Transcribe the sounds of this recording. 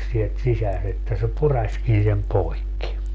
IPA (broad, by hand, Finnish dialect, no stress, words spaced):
sielt sisæs etːæ se purɑsʲkin sem poikːi